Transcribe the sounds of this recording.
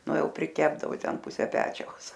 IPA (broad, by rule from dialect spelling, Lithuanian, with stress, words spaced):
ˈnʊ ˈjɛʊ pʲrʲɪˈkʲæːbdɐʋoː ˈtʲɛn ˈpʊsʲɛ ˈpʲæːt͡ʃʲɛʊs